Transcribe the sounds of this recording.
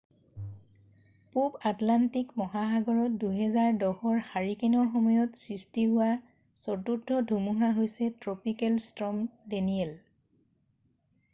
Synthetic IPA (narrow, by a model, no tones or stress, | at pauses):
pupatlantikmɔɦaxaɡɔɹɔt̚duɦɛzaɹdɔxɔɹxaɹikinɔɹxɔmɔjɔtsistiɦʊwa | sɔtudʱɔdʱumuɦaɦojsɛtɹopikɛlstɹɔmdeniɛl